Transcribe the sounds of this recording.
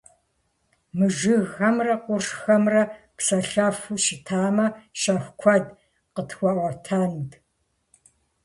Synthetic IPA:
mɨʒɨɣɐmrɐqʷʊrʂxɐmrɐ | psɐɬɐfuʃɪtʰaːmɐʃɐxʷkʷʰɐd | qətʰxʷɑʔʷwʷɐtʰaːnd

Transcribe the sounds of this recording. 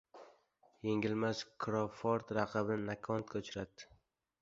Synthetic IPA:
jeŋʲɪlmaskʰɾofoɾt̪ɾɑqʰɨbɪnɪnakʰɒnt̪kʰʲaʊt͡ʃʰɪɾad̪ɪ̥

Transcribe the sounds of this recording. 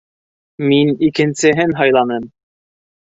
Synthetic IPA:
minikɘ̆nsɘ̆ɦɘnɦɑjlˠɑnɤm

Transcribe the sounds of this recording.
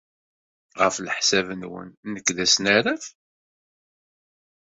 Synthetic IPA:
ʁəfləħsævənwə̰nːəkːðæsnaɾæf

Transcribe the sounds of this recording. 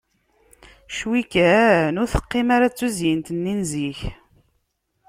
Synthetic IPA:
ʃwikæɾnʊɾθə̥qːɪmaɾat͡sːuzjint̪nːinziç

